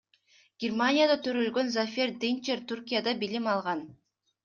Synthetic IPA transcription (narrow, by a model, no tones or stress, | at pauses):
ɡ̥ʲɪrmanʲɪjad̪at̪ʰøɾølɡø̞nzafʲerd̪ent͡ʃeɾt̪urkʲijad̪ɑbilimɑlˠʁɑn